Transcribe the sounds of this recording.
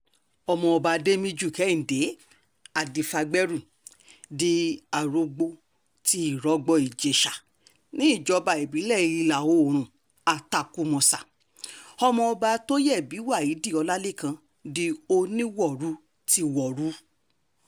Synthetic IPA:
ɔ˧mɔ̃˧ɔ˧ba˧de˦mĩ˧d͡ʒu˦˨kɛ˨˦ĩ˨de˨˦ | a˨di˨fa˧ɡ͡bɛ˦ɾu˦˨ | di˧a˨ɾo˧ɡ͡bo˧ | ti˧˦i˦˨ɾɔ˨˦ɡ͡bɔ˧i˨d͡ʒe˨ʃa˨ | nĩ˨˦i˦˨d͡ʒɔ˨˧ba˨e˨bi˨˦lɛ˦˨˧i˧la˨o˧˨ɾ̃ũ˨ | a˧ta˨ku˧mɔ̃˧sa˨ | ɔ˧mɔ̃˧ɔ˧ba˧to˦jɛ˦˨bi˨˦wa˦˨i˨˦di˦˨ɔ˧la˦le˦˨kã˧ | di˧o˧nĩ˦wɔ˦˨ɾu˨˦ | ti˧wɔ˨ɾu˨˦

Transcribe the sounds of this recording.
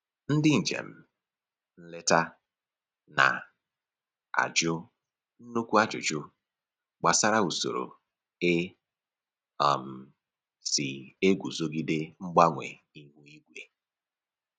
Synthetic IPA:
n̩˦dɪ˦n̩˨d͡ʒḛ˨m̩˦ | n̩˦le˦ta˦ | na̰˨ | a̰˨d͡ʒʊ˦ | n̩˦nu˦kʷu˦a˦d͡ʒʊ̰˨d͡ʒʊ˦ | ɡ͡ba˨sa˦ɾa˦u˨so̰˨ɾo̰˨ | e˦˨ | m̩˨ | sɪ˨e˦ɡʷu˨zo˦ɡɪ˦dɪ˦ŋ͡m̩˦ɡ͡ba˦ŋʷḛ˨ | i˦ɦu˦i˦ɡʷe˨

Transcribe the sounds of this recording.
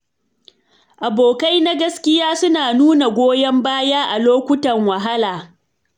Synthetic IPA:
ʔa˨boː˨ka˦jna˦ɡɐ˦skʲɪ˦jaː˦sʊ˦naː˨nuː˦na˨ɡʷoː˦jɐ˦mbaː˦jaː˦ʔa˨loː˦kʷʊ˦tɐ˨ŋwɐ˨ɦa˦laː˨

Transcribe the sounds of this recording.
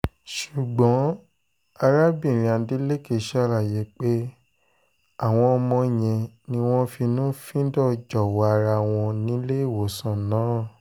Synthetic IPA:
ʃu˨ɡ͡bɔ̃˨˦ | a˧ɾa˦bĩ˦˨ɾ̃ĩ˨a˨˧˨de˦le˦ke˨ʃa˦˨la˨je˨˦k͡pe˦ | a˦˨w̃ɔ̃˧ɔ˧mɔ̃˧˨j̃ɛ̃˧ | nĩ˧˦w̃ɔ̃˦fi˧nũ˦fĩ˦dɔ˦˨d͡ʒɔ˨wɔ˨a˧ɾa˧w̃ɔ̃˧nĩ˨˦le˦i˦˨wo˨sã˨nãː˨˦

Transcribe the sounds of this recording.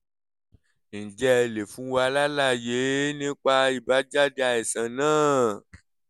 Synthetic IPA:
n̩˨d͡ʒɛ˦˧˨le˨fũ˨˦wa˧la˦la˦˨je˨˦nĩ˦k͡pa˧i˦˨ba˨˦d͡ʒa˦di˦a˧ɛ˨sã˨nãː˦˨

